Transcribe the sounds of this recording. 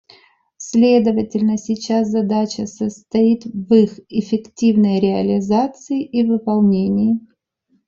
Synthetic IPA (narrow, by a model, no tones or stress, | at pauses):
sʲlʲe̞d̪əvətʲɪlʲnəsʲɪt͡ɕaszɐd̪at͡ɕəsəst̪ɐit̪vɨxɪfʲɪktʲivnəjɾʲɪɐlʲɪzat̪sɨɪʔivɨpɐlˠnʲenʲɪjɪ